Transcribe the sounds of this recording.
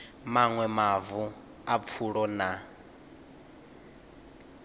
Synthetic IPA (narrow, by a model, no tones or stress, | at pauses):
maŋwɛmavu | ap̪fʰuɺɔna